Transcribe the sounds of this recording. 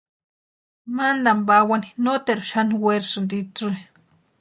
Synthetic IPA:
mand̪ambawaninot̪eɾuʃaniweɾsudit͡sui

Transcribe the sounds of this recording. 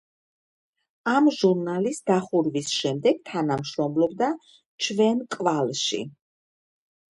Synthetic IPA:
amʒuɾnalisd̪aχuɾvisʃɛmd̪ɛɡ̥̚t̪ʰanamʃɾɔmlɔbd̪a | t͡ʃʰvɛnkʼvalˠʃḭ

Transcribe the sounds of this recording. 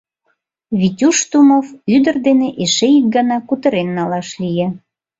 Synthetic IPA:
βitʲuʃt̪umovyd̪ə̆rd̪eneʔeʃeik̚ɡɑnɑkut̪ə̆ɾenːɑlɑʃlʲije

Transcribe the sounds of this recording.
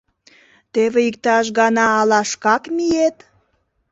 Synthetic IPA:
t̪eβeik̚t̪ɑʃ̬ɣɑnɑːlɑʃkɑkmijet̪

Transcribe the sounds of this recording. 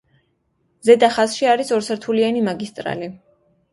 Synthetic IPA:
zɛd̪aχasʃiaɾisɔɾsɛɾt̪ʰulianimaɡist̪ʼɾa̰li

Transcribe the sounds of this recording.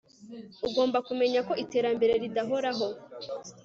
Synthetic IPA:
uɡo̞ːmbakume̞ɲako̞ite̞ːɾambe̞ɾe̞ɾidaɦoɾaɦo̞

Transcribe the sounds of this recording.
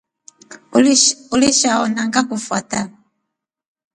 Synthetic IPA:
uliʃaɔnaŋɡakufwa̰ta

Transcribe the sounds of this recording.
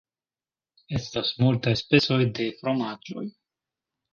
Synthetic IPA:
e̞stasmultajspe̞t͡so̞jde̞fɾo̞mad͡ʒo̞̰j

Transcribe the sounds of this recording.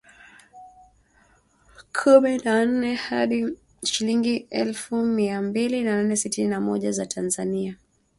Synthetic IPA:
kʰuminan̩nɛhaɗi | ʃiliŋɡiɛlfumiambilinananɛsitininamɔʄazatʰanzania

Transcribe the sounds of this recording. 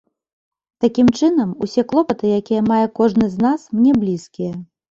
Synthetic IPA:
t̪akʲimt͡ʂɨnɐmusʲɛklˠɔpɐt̪ɨjakʲijɐmajɛkɔʐnɨzʲnasmnʲɛblʲiskʲijɐ

